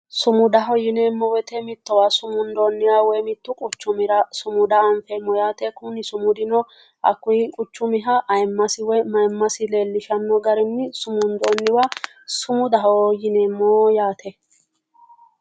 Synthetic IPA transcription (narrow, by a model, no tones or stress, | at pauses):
sʊmʊd̪ɐɦɔjɪneːmːɔwɛt̪ɛmɪt̪ːɔwasʊmʊnd̪oːnːɪwawɛmɪt̪ːʊkʼʊt͡ʃːʊmɪɾɐsʊmʊd̪ɐːɱfɛmːɔjaːt̪ɛkʊnɪsʊmʊd̪ɪnɔ | ʔɐkːʊjɪkʼʊt͡ʃːʊmɪɦɐʔɐjmːɐsɪwɛmɐjmːɐsɪle̞ːlːɪʃɐnːɔɡɐɾɛnːɪsʊmʊnd̪oːnːɪwa | sʊmʊd̪ɐɦɔjɪneːmːɔjaːt̪ʰɛ